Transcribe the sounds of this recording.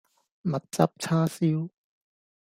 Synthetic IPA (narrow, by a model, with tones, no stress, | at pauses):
mɐ˨t̚t͡sa˧p̚t͡ɕʰaː˥si˦˥w